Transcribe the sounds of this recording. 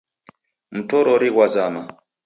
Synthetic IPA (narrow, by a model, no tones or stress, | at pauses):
m̩tɔɾɔɾiɣwazama